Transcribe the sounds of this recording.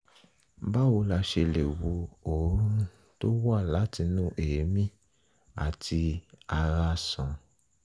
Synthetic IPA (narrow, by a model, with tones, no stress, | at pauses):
ba˦wo˧la˧ʃe˧le˨wo˧o˨˦ɾũ˦ | to˦wa˦˨la˨˦ti˧nũ˦ʔe˨e˨˦mĩ˦ | a̰˨tʰi˧a˧ɾa˧sɔ̃˨